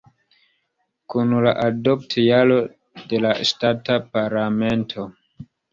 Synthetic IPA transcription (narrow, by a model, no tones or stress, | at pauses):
kunlaʔadoptʰjalo̞ | de̞lastatapaɾlame̞ntʰo